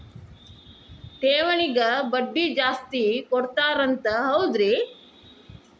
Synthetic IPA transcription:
ʈeːʋɐɳiɡɐbɐɖːid͡ʒaːst̪ikɔɽt̪aːɾɐnt̪ɐɦɐwd̪ɾi

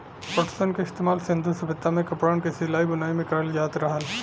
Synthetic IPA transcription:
pəʈsənkeɪst̪eːmaːlsɪ̃nd̪ʱusɐbɪt̪ːamẽkɐpɾaːnkesɪlaːibʊnaːimẽkɐɾəljaːt̪ɾɐɦəl

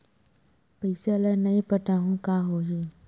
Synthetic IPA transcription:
pəɪseələnɐĩpəʈaːɦũkaɦoːɦi

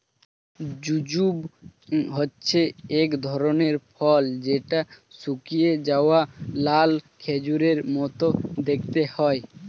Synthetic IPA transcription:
d͡ʑud͡ʑub | ɦotːʃʰeekd̪ʱɔɾoneɾpʰɔld͡ʑeʈasukijed͡ʒaoalalkʰed͡ʑuɾeɾmɔt̪od̪ek̚ʰt̪ehɔe

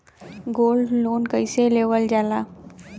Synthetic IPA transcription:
ɡolɖlonkəjseleʋəld͡ʑala

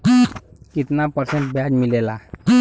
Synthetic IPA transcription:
kit̪napəɾsɛnʈ̚bjad͡ʒmilɛla

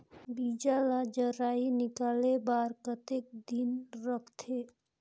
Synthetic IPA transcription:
biːd͡ʒalad͡ʒəɾaːinɪkaːlebaːɾkət̪ek̚d̪inɾəkʰt̪ʰe

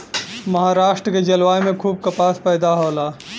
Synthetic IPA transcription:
mɐɦaːɾaːʃʈɾəked͡ʒɐlwaːjmẽkʰuːb̚kɐpaːspɛːd̪aɦoːlaː

